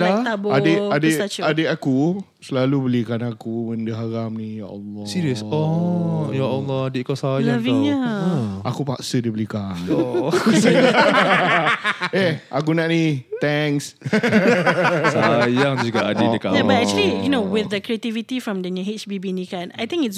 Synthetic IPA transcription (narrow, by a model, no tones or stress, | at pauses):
lat̪aboaəadəadəaku | səlalubəlikanakuməndəɦaɾamnija̰ʔɔ̰lːɔsiɾiəsɔjaʔɔlːɔadeʔkasajlaavĩŋɲaʔakupaksədəbəlikano | eakunaʔnit̪ɛŋs | sajaŋd͡ʒuɡaʔadedəkaʔjabatɛk̚t͡ʃlijunowɪθdəkɾiet̪ivit̪ifɹɔ̃mdɛŋəɦet͡ʃbibinikãnajt̪ĩŋkɪts